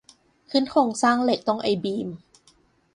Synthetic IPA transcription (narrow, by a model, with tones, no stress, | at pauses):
kʰɯː˧˥˨nkʰoː˧˩ŋsaː˥˩ŋle˧˨˩k̚t̪ɔ˥˩ŋʔa˧˩jbiː˧m